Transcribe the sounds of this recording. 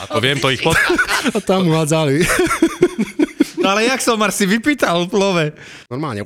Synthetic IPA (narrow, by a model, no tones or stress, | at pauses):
t̪ɔʋɪɛmt̪ɔixpɔt̪at̪amuɦazali | alɛjaksɔmaɾsiʋipiːt̪alplɔʋɛ | ɔɾmaːlɲɛ̰